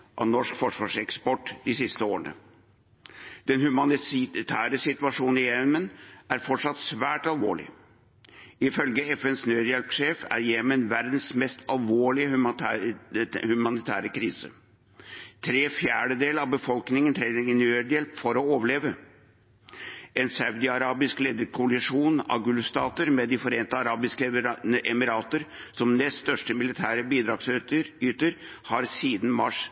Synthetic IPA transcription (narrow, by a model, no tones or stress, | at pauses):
ʔɑ̰ʋnɔʂkfɔʂʋɑːʂɛkspɔʈːd̪ɪsɪst̪əoːɾəɳə̰ | d̪̥ɛnhʉmɑnɪt̪ʰæːɾəsɪt̪ʉɑʂuːn̩ɪjɛmənæɾfɔʈʂɑt̪sʋæːʈɑlʋo̰ːɭɪ̰ | ɪfœlɡəɛfɛnsnøːd̪jɛlpʂeːfæ̰ɾjɛmənʋæɾd̪n̩smɛst̪ʰɑlʋoːɭɪəh | hʉmɑnɪt̪ʰæːɾəkʰɾiːsə̰ | t̪ʰɾeːfjæːɖəd̪eːlɑʋbəfɔlknɪŋənt̪ʰɾɛɪɡənøɖ̪jɛlpfɔɾɔoːʋəɭeːʋə | ʔɛnsɑʉd̪ɪɑɾɑːbɪskleːd̪əɾkʰʊɑlɪʂuːnɑ̰ɡʉlst̪ɑːt̪əɾmɛd̪ɪfɔɾeːnt̪əɑɾɑːbɪskəʔɛmɪɾɑːt̪əɾsɔmnɛst̪st̪œʂʈəmɪlɪt̪ʰæːɾəbiːd̪ɾɑɡsyːt̪əɾ | hɑɾsiːd̪n̩mɑʂ